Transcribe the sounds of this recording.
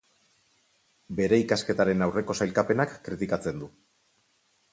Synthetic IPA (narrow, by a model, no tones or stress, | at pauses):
be̞ɾe̞ikaske̞t̪aɾe̞nawre̞ko̞sajlkape̞nakːɾit̪ikat͡se̞nd̪u